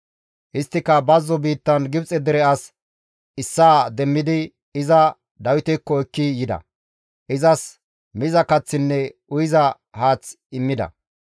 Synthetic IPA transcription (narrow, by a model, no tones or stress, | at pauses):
hɪst̪ːɪkːɐbɐzːɔbiːt̪ːɐnɡɪbt͡sʼɛd̪ɛɾɛɐs | ɪsːaːd̪ɛmːɪd̪ɪ | ɪzɐ | d̪ɐwɪt̪ɛkːɔɛkːɪjɪd̪ɐ̰ | ʔɪzɐs | mɪzɐkɐt͡sːɪnːɛʊjɪzɐ | haːt͡s | ɪmːɪd̪ɐ̰